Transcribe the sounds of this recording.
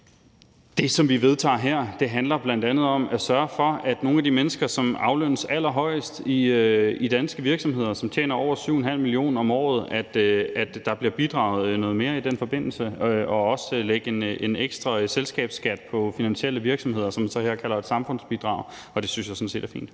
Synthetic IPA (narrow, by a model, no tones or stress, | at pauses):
d̥e̝sɒ̽mʋiʋe̝ð̞ˠt͡sʰɑ̰̈ɦeɐ̰d̥e̝ɦænlɐb̥lænd̥ænð̩ˠɒ̽mæsɶɐfɒ̽æd̥no̝ːnæd̥imenəsɡ̥ɐsɒ̽mɑ̈ʊlønəsæl̰ɐɦɒ̽ɪəsd̥iid̥ænsɡ̥əʋiɐɡ̥sɒ̽mɦe̝ð̞̰ˠɐsɒ̽mt͡ɕʰḛːnɐɒʊ̰ɐsyʊenɦæl̰milio̝̰ːnɒ̽mɒ̰ːð̞̩ˠæd̥æd̥ːɑ̈b̥liɐb̥id̥ʁɑ̈ʊð̞̩ˠnɔ̽ːð̞̩ˠme̝ːɐid̥en̰fɒ̽b̥e̝n̰l̩səɒ̽ɒ̽sleɡ̥əeneneɡ̥sd̥ʁɑselsɡ̥ɛ̰ːb̥sɡ̥æd̥̚pʰɒ̽finænɕiel̰əʋiɐɡ̥sɒ̽mhe̝ð̰ˠɐsɒ̽mænsɒ̽heɐ̰kʰælɐe̝d̥sɑ̈mfɔ̽n̰sb̥id̥ʁɑ̈ʊ | ɒ̽d̥e̝synsjɑsɒ̽nse̝̰ːd̥æɐfḭːnd̥